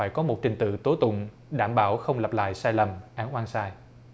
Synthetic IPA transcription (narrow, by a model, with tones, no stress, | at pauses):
aː˧˩jkɔ˨˦mo˨˩t̚t͡ɕï˨˩ŋ̟t̪ɨ̰˧˨t̪o˨˦jt̪ʊ̰˧˨ŋ͡m | ɗaː˧˩mɓaː˧˩wxə˧wŋ͡mlə˨˩p̚la̰ː˧˨jsaː˧jlə˨˩mʔaː˨˦nʔwaː˧nsaː˧j